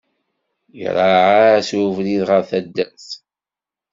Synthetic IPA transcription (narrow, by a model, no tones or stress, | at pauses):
j̰ɾˤaʕasuvliðʁəɾθæd̪ːæθ